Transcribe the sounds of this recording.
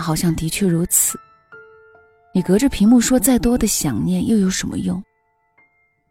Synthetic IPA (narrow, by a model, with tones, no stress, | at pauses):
xɑ˨˩ʊɕjɑ˥˩ŋt̪i˧˥t͡ɕʰɥɛ˥˩ɻu˧˥t͡sʰɹ̩˨˩˦ | ni˨˩kɤ˧˥ʈ͡ʂɤ˥˩pʰi˧˥ŋmu˥˩ʂwɔ˥t͡sa˥˩ɪt̪wɔ˥d̪ə˨ɕjɑ˨˩ŋnjɛ˥˩njo˥˩ʊjo˧˥ʊʂə˧˥nmə̰˧jʊ˥˩ŋ